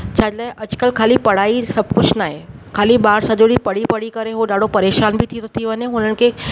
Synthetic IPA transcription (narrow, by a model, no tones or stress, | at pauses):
t͡ɕʰaːd͡ʑlaːɪʔɐd͡ʑkəlkʰaːlipɐɽ̤aːisɐb̚ʱkʊd͡ʑʱnaːɦekʰaːliɓaːɾsɐʄoɽipɐɽ̤ipɐɽikɐɾeɦoɗaːɖopɐɾeːʃaːnbɪt̪ʰit̪ʰot̪ʰiʋɐɲeɦʊnənɪ̆kʰe